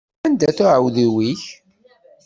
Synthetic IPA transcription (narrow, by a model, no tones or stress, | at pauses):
ænd̪æθʊʕəwðiwiç